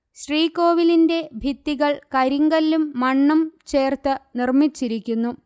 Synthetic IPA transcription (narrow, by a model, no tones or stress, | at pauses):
ɕriːkoːʋilinde̞bʱit̪ːiɣɐɭkɐɾiŋɡɐlːumːɐɳːɐmt͡ɕe̞ːrt̪ɨnirmit͡ɕːiɾikʲːunːu